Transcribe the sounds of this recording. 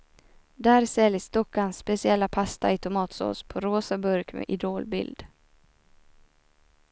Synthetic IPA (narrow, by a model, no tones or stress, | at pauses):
d̪æːɾsɛljəst̪ɔkːansːpɛsɪɛlːapʰast̪aɪt̪ʰʊmɑːt̪so̰ːspʰɔɾoːsabɵɾkmɛ̰ʔɪd̪oːlbɪ̰ld̪